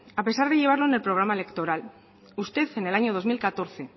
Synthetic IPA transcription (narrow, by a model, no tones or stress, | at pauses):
ape̞saɾð̞eʝe̞β̞aɾlo̞ene̞lpɾo̞ɣ̞ɾamaelekt̪o̞ɾal | ust̪e̞θe̞ne̞laɲoð̞o̞zmilkat̪o̞ɾθe̞